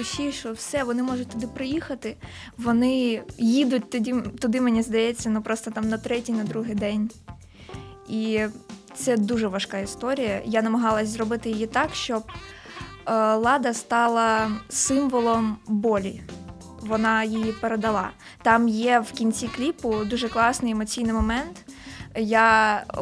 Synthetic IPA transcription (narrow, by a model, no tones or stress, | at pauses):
sʲijʃɔwsɛʋɔnɪmɔʐʊt̚ʲt̪ɔd̪ɪpɾɔjixɐt̪ɪ | ʋɔnɪjid̪ʊt̚ʲt̪ʊdʲit̪ʊd̪ɪmenʲizd̪ɐjɛt͡sʲːɐnupɾɔst̪ɔt̪ɑmnɐt̪ɾɛtʲijnɐd̪ɾuɦɪjd̪ɛnʲ | it̪sɛd̪uʒɛʋɐʃkɑist̪ɔɾʲijɐjanɐmɐɦɑlˠɐsʲzrɔbɪt̪ɪjɪjit̪ɑkʃt͡ʃɔb̚ | lˠɑd̪ɐst̪ɑlˠɐsɪmʋɔlˠɔmbɔlʲi | ʋɔnɑjijipeɾed̪ɐlˠɑ̰ | t̪ɑmjɛwkʲinʲt͡sʲiklʲipʊd̪uʒɛklˠɑsnɪjɛmɔt͡sʲijnɪjmɔmɛnt̪ja